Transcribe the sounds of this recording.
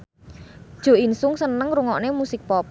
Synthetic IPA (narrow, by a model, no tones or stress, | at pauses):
d̥ʒ̥o̤insʊŋsənəŋɾuŋɔʔnemusɪk̚pɔp̚